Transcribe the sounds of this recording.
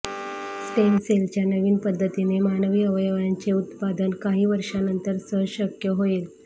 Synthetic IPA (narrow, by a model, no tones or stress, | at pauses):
spenselt͡ɕjanəʋiːnpəd̪ʱːət̪inemanəʋiːəʋəjəʋjaɲt͡ɕeut̪pad̪ənkaɦiːʋəɾʂanənt̪əɾsəɦɕəkjəɦoel